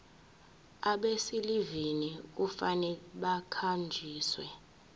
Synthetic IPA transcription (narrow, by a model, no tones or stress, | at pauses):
aɓesiliviniufanɛɓakʰand͡ʒʱiːswɛ